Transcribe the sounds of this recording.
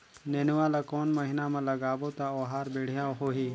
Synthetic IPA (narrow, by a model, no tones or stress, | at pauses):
neːnɪwalakoːnmɐɦɪnamẽlɐɡaːbot̪aoːɦaːɾbeːɽ̤ɪjaɦoːɦiː